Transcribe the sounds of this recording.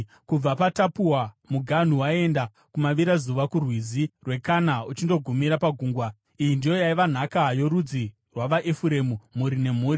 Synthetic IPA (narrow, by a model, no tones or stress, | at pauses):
kub͡vapatapuwa | muɡʱan̤uwae̞nda | kumaʋiɾazuʋakurwizirwe̞kanaut͡ʃindo̞ɡʱumiɾapaɡʱuːŋɡwa | ijindijo̞jaiʋan̤akajo̞ɾud͡zi | rwaʋaʔefuɾe̞mumuɾine̞m̤uːɾi